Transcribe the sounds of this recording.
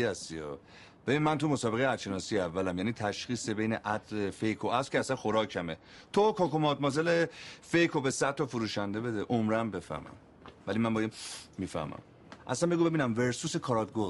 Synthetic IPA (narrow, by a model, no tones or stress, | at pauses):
æsiɒ | b̥e̞binmænt̪ʰumosɒːbeɣejeæt̪ʃe̞nɒːsijeævːælæmjæːniːt̪ʰæʃxiːse̞be̞jnḛʔæd̪lefejkʰoæskʰeæsænxoɾɒːcʰæme | t̪ʰokʰɒːkomɒːd̪̚mɒːzelefe̞jkʰobesæd̪t̪ʰːɒfuɾuːʃænd̪e̞be̞d̪eʔomɾæmbe̞fæ̰hmæ̰m | vælimænbɒjemiːfæ̰hmæ̰m | ʔæ̰sænbeɡuːbe̞biːnæmve̞ɾsuːsekʰɒːɾɒd̪̚ɡo